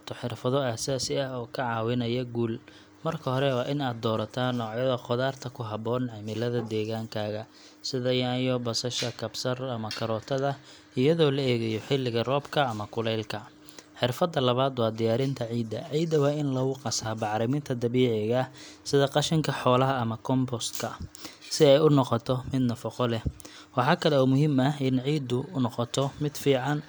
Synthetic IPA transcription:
t̪ʰɔħɪrfɐðɔasaːsɪɐɦɔːkʰɐʕɑːwɪnɐjɐɡuːl | mɐrkʰɐhɔɾɛwɑːʔɪnaːd̪ːɔːɾɐt̪ʰaːnɔːʕjɐðɐqɔðaːrt̪ʰɐkʰʊɦɐbɔːnʕɛmɪlɐðɐd̪ɛːɣaːŋkʰaːɣɐ | sɪðɐjaːjɔbɐsɐʃɐkʰɐbsɐrɐmɐkʰɐɾɔːt̪ʰɐðɐ | ɪjɐðɔːlɐɛːɣɐjɔħɪlːɪɣɐrɔːbkʰɐːmɐkʰʊlɛjlkʰɐ | ħɪrfɐd̪ːɐlɐβaːd̪wɑːd̪ɪjaːɾɪnt̪ʰɐʕiːd̪ɐ̰ʕiːd̪ɐwɑːɪnlɐɣʊqɑsaːbɑʕɾɪmɪnt̪ʰɐd̪ɐβiːʕɪɣɐsɪðɐqɑʃɪŋkʰɐħɔːlɐɦɐːmɐkʰɔmbɔst̪kʰɐsɪɛjʊnɔqɔt̪ʰɔmɪd̪nɐfɐqɔlɛ | wɑħɑːkʰɐlɛɔːmʊɦimɐɦɪnʕiːd̪ʊʊnɔqɔt̪ʰɔmɪd̪fiːʕɑn

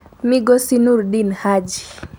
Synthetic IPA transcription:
miɡɔsinuɾdinhad͡ʒi

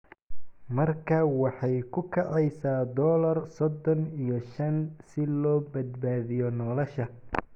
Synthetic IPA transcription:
mɐrkʰɐwɑħɑjkʰʊkʰɐʕɛjsaːd̪ɔːlɐrsɔd̪ɔnijɞʃɐnsɪlɔːbɐd̪baːðɪjɔnɔːlɔʃɐ

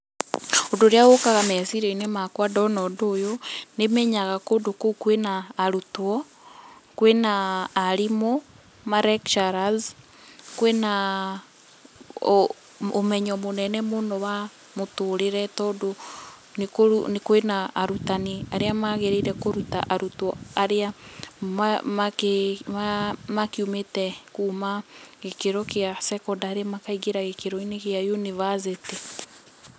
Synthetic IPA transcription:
ondoɾeaɣokaɣamɛasiɾɛinemakwadɔnɔdojonemɛɲaɣakodokokwenaːɾutwɔ | kwenaːɾimo | maɾɛkʃaɾaz | kwena | omɛɲɔmonɛnɛmonɔwa | motoɾeɾɛtɔdo | nkonkoenaaɾutaniaɾeamaɣeɾeɾɛkoɾuta̰ʔaɾutɔaɾeamamakeamakeumetɛkumaɣekeɾɔkeasɛkɔdaːɾeamakaiɡeɾaɣekeɾɔineɣjajunivazete

